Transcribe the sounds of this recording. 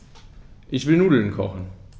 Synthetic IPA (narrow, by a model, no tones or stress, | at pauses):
ʔɪçʋɪlnuːdl̩n̩kʰɔχn̩